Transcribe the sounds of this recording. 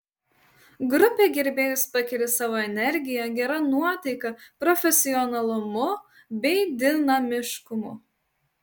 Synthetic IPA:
ɡɾʊpʲeːɡʲɛɾʲbʲeːjʊspɐkʲɪɾʲɪsɑːʋoːɛnʲɛɾʲɡʲɪjɛɡʲɛɾɐnuɔt̪ɐɪkɐpɾɔfʲɛsʲɪɔnɐlˠʊmʊ | bʲɛɪd̪ʲɪnɐmʲɪʃkʊmʊ̰

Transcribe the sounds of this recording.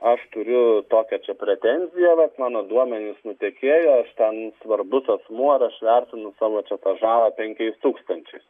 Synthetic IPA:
ɐʃt̪ʊɾʲʊt̪oːkʲɛt͡ʃʲɛpʲɾʲɛt̪ʲɛnʲzʲɪjɛʋɐt̪mɑːnoːd̪uɔmʲɛnʲɪsnʊt̪ʲeːkʲeːjoːɐʃt̪ʲɛnsʋɐrbʊsɐsmuɔɾɐʃʋʲɛrʲt̪ʲɪnʊsɑːʋoːt͡ʃʲɛt̪ɑːʒɑːlˠɐpʲɛŋʲkʲɛɪst̪uːkst̪ɐnʲt͡ʃʲɛɪs

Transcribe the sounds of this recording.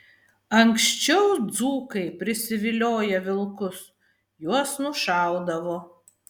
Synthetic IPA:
ɐŋksʲt͡ʃʲɛʊd̪zuːkɐɪpʲɾʲɪsʲɪʋʲɪlʲoːjɛʋʲɪlˠkʊs | juɔsnʊʃɑˑʊd̪ɐʋoː

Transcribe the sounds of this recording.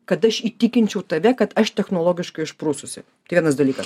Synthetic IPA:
kɐt̪ɐʃit̪ʲɪkʲɪnʲt͡ʃʲɛʊt̪ɐʋʲɛkɐt̪ɐʃt̪ʲɛxnoɔlˠoːɡʲɪʃkɐɪɪʃpɾuːsʊsʲɪ̰t̪ɐɪʋʲɛnɐsd̪ɐlʲiːkɐs

